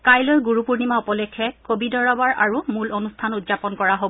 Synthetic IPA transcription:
kajlɔjɡuɹupuɹnimaɔpɔlɛkʰːɛkobidɔɹɔbaɹʔaɹumulonustʰanudzapɔnkɔɹaɦob

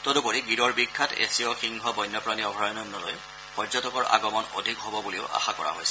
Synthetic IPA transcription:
tɔdupoɹiɡidɔɹbikʰːatḛsiɔxiŋɦɔbɔjnːɔpɹaniɔbʱajɔnɔnːɔloj | pɔzɔtɔkɔɹa̰ɡɔmɔno̰dʱikɦobɔbuliʊʔa̰xakɔ̰ɹa̰ɦojsɛ

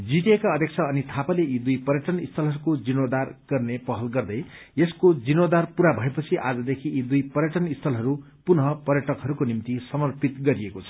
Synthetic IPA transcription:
d͡ziʈekaʌd̪ʱjek̚t͡sʰʌːnit̪ʰapaleid̪ujpʌrjʌʈʌnist̪ʰʌlɦʌɾukod͡zinod̪arɡ̥ʌrnepʌɦʌlɡʌrd̪ʌj | eskod͡zinod̪arpuɾabʱʌepʌt͡sʰiʔad͡zʌd̪ekʰiid̪ujpʌɾjʌʈʌnist̪ʰʌlɦʌɾu | punɦʌpʌrjʌʈʌkɦʌɾukonimt̪isʌmʌrpit̪ɡʌɾiekot͡sʰʌ̥

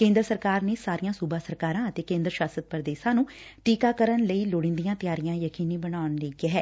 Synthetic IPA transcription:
kẽːnd̪ɾəsəɾkaːɾneːsaːɾijãːsuːbaːsəɾkaːɾãːət̪eːkẽːnd̪ɾəʃaːsət̪̚pɾəd̪eːʃãːnũːʈiːkaːkəɾənləiːloːɽɪ̃nd̪ijãːt̪ɪjaːɾijãːjəkiːniːbənaːʊnleːɡeːɦɛː

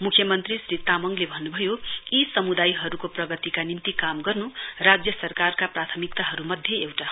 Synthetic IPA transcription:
mukʰjʌmʌnt̪risrit̪amʌŋlebʱʌnːubʱʌjoisʌmud̪ajɦʌɾukoprʌɡʌt̪ikanimt̪ikamɡʌrnurad͡zjʌsʌrkarkaprat̪ʰʌmik̚t̪aɦʌɾumʌd̪ʱjʌewʈa

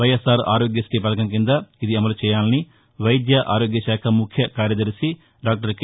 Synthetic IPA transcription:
ʋɐjesaːɾa̰ːɾoːɡjɐsʈipɐlɐkɐmkind̪ɐid̪iɐmɐlut͡ʃɛːjaːlɐni | ʋɐjd̪jɐʔaːɾoːɡjɐʃaːkʰɐmukʰjɐkaːɾjɐd̪ɐɾsi | ɖaːk̚ʈɐɾk

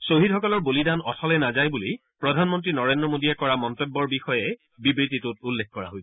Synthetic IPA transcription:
soɦidɦɔkɔlɔɹbolidanɔtʰɔlɛnazajbuli | pɹɔdʱanmɔntɹinɔɹendɹɔmodiɛkɔɹamɔntɔbːɔɹbixɔjɛ | bibɹit̬itʊt̚ulːekkɔɹa̰ɦojsɛ̥

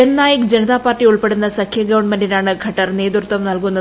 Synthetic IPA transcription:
ennaːjɐkd͡ʑenɐt̪aːpaːrʈːiuɭpe̞ɽunːɐsɐkʰjɐɡɐʋɐɳmenɖinaːɳɨɡʱɐʈːɐrneːd̪uɾt̪ʋɐmnɐlkunːɐ

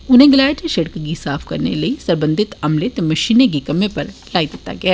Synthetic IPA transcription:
ʊnɦẽɡɪlaːʈeʃɐɽkɡisaːfʰkɐ̰ɾnḛlɐisɐɾbə̃nd̪ʱɪt̪ɐmlet̪mɐʃiːneɡ̬ikɐmepɐɾlaːid̪ɪt̪ːa̰ɡɐaː

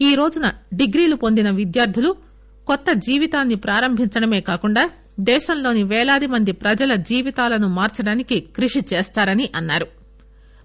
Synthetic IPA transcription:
iːɾo̞ːd͡ʒunɐɖiɡɾiːlupo̞nd̪inɐʋid̪jaːɾd̪ʱilu | kɔt̪ːɐd͡ʒiːʋit̪aːnːipɾaːɾɐmbʱiɲt͡ʃɐɽɐme̞ːkaːkuɳɖaː | d̪ɛːʃɐmlo̞ːniʋɛːɭaːd̪imɐnd̪ipɾɐd͡ʒɐlɐd͡ʒiːʋit̪aːlɐnumaːɾt͡ʃɐɽaːnikikɾiʂit͡ʃeːst̪aːɾɐniʔɐnːaːɾu

